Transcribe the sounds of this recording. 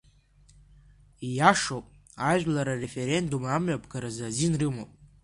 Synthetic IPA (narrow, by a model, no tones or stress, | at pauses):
ijaʂopʼ | aʒᶣlaɾare̞fe̞ɾe̞ndumamɥapʰɡaɾazazinrɨmopʼ